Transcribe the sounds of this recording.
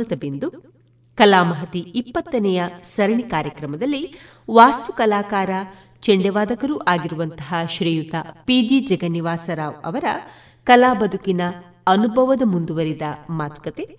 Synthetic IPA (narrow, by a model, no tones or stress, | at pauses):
ɐt̪ɐbend̪u | kɐlaːmɐɦɐt̪iːpːɐt̪ːɐnɛjɐsɐɾɐɳikaːɾjɐkɾɐmɐd̪ɐlːi | ʋaːst̪ukɐlaːkaːɾɐ | t͡ʃeɳɖɛʋaːd̪ɐkɐɾuːʔaːɡiɾuʋɐnt̪ɐɦɐʃɾiːjut̪ɐpiːd͡ʒid͡ʒɐɡɐniʋaːsɐɾaːʋɐ̰ʋɐɾɐ̰ | kɐlaːbɐd̪ʱukinɐ | ɐnubʱɐʋɐd̪ɐmund̪uʋɐɾid̪ɐmaːt̪u̥kɐt̪e